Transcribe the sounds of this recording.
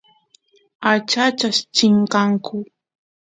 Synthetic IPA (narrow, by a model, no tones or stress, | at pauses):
at͡ʃat͡ʃaʃt͡ʃɪɴqɑŋkʰʊ